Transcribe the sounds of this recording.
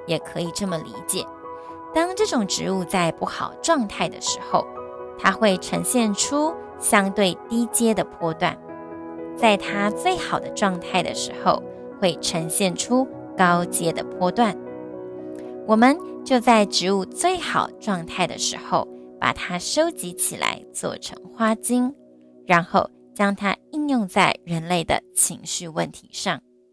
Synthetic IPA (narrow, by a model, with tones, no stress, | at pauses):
jɛ˨˩kʰɤ˧˥i˨˩ʈ͡ʂɤ˥˩mə˩lḭ˧˥t͡ɕjɛ̰˨˩˦ | t̪ɑ˥ŋʈ͡ʂɤ˥˩ʈ͡ʂʊ˨˩ŋʈ͡ʂɻ̩˧˥u˥˧t͡sa˥˧ɪpu˥˩xɑ˨˩ʊʈ͡ʂwɑ˥˧ŋt̪ʰa˥˩ɪd̪ə̰˩ʂɻ̩˧˥xo˥˧ʊt̪ʰa˥xwe˥˩ɪʈ͡ʂʰɤ˧˥ŋɕjɛ˥˩nʈ͡ʂʰu˥ | ɕjɑ˥ŋt̪we˥˩ɪt̪i˥t͡ɕjɛ˥d̪ə˨pʰwɔ˥t̪wa̰˥˩n | t͡sa˥˩ɪt̪ʰa˥t͡swe˥˩ɪxɑ˨˩ʊd̪ə˦ʈ͡ʂwɑ˥˧ŋt̪ʰa˥˩ɪd̪ə̰˩ʂɻ̩˧˥xo˥˧ʊ | xwe˥˩ɪʈ͡ʂʰə˧˥ŋɕjɛ˥˩nʈ͡ʂʰu˥ | kɑ˥ʊt͡ɕjɛ˥d̪ə̰˨pʰwɔ˥t̪wa˥˩n | wɔ˨˩mə˨nt͡ɕjo˥˧ʊt͡sa˥˩ɪʈ͡ʂɻ̩˧˥u˥˧t͡swe˥˩ɪxɑ̰˨˩ʊʈ͡ʂwɑ˥˧ŋt̪ʰa˥˩ɪd̪ə̰˩ʂɻ̩˧˥xo˥˧ʊpa̰˨˩t̪ʰa˥ʂo˥ʊt͡ɕi˧˥t͡ɕʰḭ˨˩la̰˧˥ɪt͡swɔ̰˥˩ʈ͡ʂʰɤ̰˧˥ŋxwa˥t͡ɕi˥ŋ | ɻa˧˥nxo˥˩ʊ | t͡ɕjɑ˥ŋt̪ʰa̰˥i˥˧njʊ˥˧ŋt͡sa˥˩ɪɻə˧˥nle˥˩ɪd̪ə̰˩t͡ɕʰi˧˥ŋɕy˥˧wə̰˥˩nt̪ʰḭ˧˥ʂɑ˥˩ŋ